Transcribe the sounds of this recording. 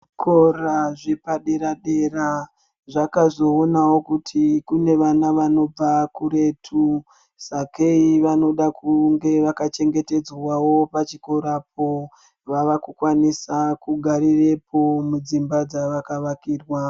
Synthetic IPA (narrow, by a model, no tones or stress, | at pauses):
kʰoraʐepaɗeɾaɗe̞ra | ʐakazo̞onawokutʰikune̞ʋanaʋano̞b͡vakuɾe̞tʰu | sakeiʋano̞ɗakuŋɡe̞ʋakat͡ʃe̞ŋɡe̞te̞d͡zwawo̞pat͡ʃiko̞ɾap̚o̞ | ʋaʋakukwanisakuɡʱaɾire̞pʰo̞mud͡zimbad͡zaʋakaʋakiːrwa